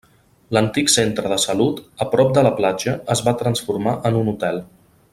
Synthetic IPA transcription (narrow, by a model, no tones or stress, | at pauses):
lənt̪iksent̪ɾəðəsəlut̪əpɾɔp̚d̪ələplad͡ʒəəzβat̪ɾənsfuɾmaʔənunut̪ɛlˠ